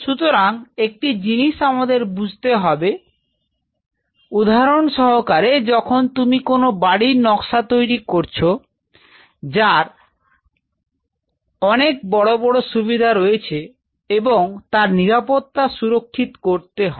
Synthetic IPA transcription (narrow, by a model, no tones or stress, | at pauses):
ʃut̪oɾaŋek̚ʈid͡ʑiniʃamad̪eɾbud͡ʑʱt̪eɦɔbe | ud̪aɦaɾonʃɔɦokaɾed͡ʑɔkʰont̪umikonobaɽinɔkʃat̪ojɾikoɾt͡ɕʰo | d͡ʑaɾ | ɔnek̚bɔɽobɔɽoʃubid̪ʱaɾojet͡ɕʰe | eboŋt̪aɾniɾapot̪ːaʃuɾokʰːit̪koɾt̪eɦɔ